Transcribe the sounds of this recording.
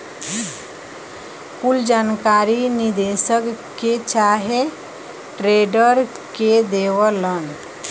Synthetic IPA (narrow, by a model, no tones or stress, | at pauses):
kuld͡ʒankaɾinid̪esək | ket͡ʃaɦe | ʈɾeɖəɾ | ked̪eʋələn